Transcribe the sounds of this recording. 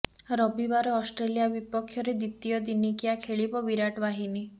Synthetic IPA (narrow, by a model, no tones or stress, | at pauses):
ɾɔbibaɾɔːsʈɾelijabipɔkʰːjɔɾed̪it̪ijɔd̪inikijakʰeɭibɔbiɾaʈbaɦini